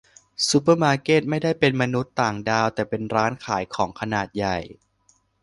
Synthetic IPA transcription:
su˧˦˥pəː˥˧˩maː˧keː˥˩t̪̚ma˥˩jda˥˩jpe˧nma˧nu˦˥t̪ːaː˨˩ŋdaː˧wt̪ɛː˨˩pe˧nɾaː˦˥nkʰaː˩˦jkʰɔː˩˦ŋkʰa˧naː˨˩t̪̚ja˨˩j

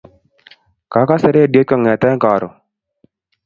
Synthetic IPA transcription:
ka˨˦ka˦sɛ˦ɾɛ˦a˨djo˦t̪̚ka˨ŋɛ˨t̪ɛ˦ŋka˨ɾɔ˨

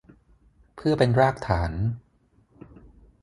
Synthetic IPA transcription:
pʰɯ˥˩ɐpe˧nɾaː˥˩k̚t̪ʰaː˩˦n

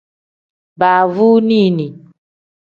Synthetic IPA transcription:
ba˨vu˦ni˦˨nĩ˨

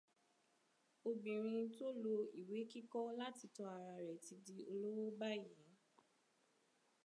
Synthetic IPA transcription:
o˧bĩ˨ɾ̃ĩ˧to˦lo˧i˨we˨˦ki˦kɔ˦la˦ti˨˧tɔ˧a˨ɾa˧ɾɛ˨ti˧di˧o˧lo˦wɔ˦ba˦˨jɛ̃˨˦

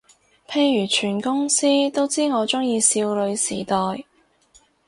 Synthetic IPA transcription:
pʰe˧jːyː˨˩t͡ʃʰyː˨˩nkʊ˥ŋsiː˥t̪o˥wt͡siː˥ŋɔː˨˧t͡sʊ˥ŋjiː˧siː˧wlɵ˨˧ɥsiː˨˩t̪ɔː˨j

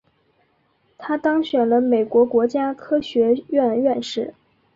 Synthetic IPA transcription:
t̪ʰa˥t̪ɑ˥ŋɕɥɛ˨˩nlə˦me˨˩ɪkwɔ˧˥kwɔ˧˥t͡ɕja˥kʰɤ˥ɕɥɛ˧˥ɥɛ˥˧nɥɛ˥˧nʂɻ̩˥˩

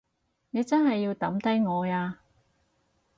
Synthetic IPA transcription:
ne˨˧jt͡sɐ˥nɦɐ˨jːiː˧wt̪ɐ˨˥mt̪ɐ˥jŋɔː˨˧aː˧

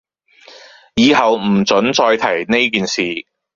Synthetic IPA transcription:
jiː˨˧hɐ˨wm̩˨˩t͡sɵ˨˥nt͡ʃɔː˧jt̪ʰɐ˨˩jne˥jkiː˨nsiː˨

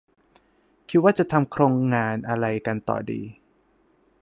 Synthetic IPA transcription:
kʰi˦t̪̚waː˥˩t͡ɕa˨˩t̪ʰa˧mkʰɾoː˧ŋːaː˧nʔa˧ɾa˧jka˧nt̪ɔ̰ː˨˩dḭː˧

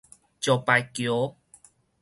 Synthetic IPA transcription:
t͡ɕɔ˨˩pa˨jkjo˨˦

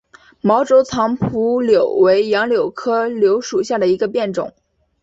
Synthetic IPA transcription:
mɑ˧˥ʊʈ͡ʂo˧˥ʊt͡sʰɑ˧˥ŋpʰu˧˥ljo˨˩ʊwe˧˥ɪjɑ˧˥ŋljo˨˩ʊkʰɤ˥ljo˧˥ʊʂu˨˩ɕja˥˩d̪ə˩i˧˥ɡə˧pjɛ˥˩nʈ͡ʂʊ̰˨˩˦

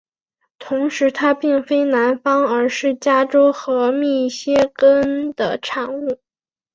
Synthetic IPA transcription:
t̪ʰʊ˧˥ŋʂɻ̩˧˥t̪ʰa˥pi˥˩ŋfe˥ɪna˧˥nfɑ˥ŋə˞˧˥ʂɻ̩˥˩t͡ɕja˥ʈ͡ʂo˥ʊxɤ˧˥mi˥˩ɕjɛ˥kə˥nd̪̥ə̰˨ʈ͡ʂʰɑ˨˩ŋu˥˩

